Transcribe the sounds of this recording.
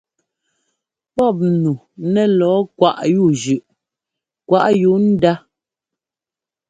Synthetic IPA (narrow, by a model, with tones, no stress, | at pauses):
pɔ˦˨p̬̚nu˨ | nɛ˦lɔː˨˦kwa˨ʔju˦˨d͡ʒʉ˨ʔ | kwa˨ʔju˨˦n̩˦da˦